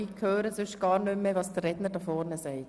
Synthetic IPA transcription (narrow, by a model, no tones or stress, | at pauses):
ikkʰhøːɾəsʏʃɡ̥ɑːɾnʏmːəʋɑːsd̥ərːɛdnəɾdɑfɔːɾnəsɛɪt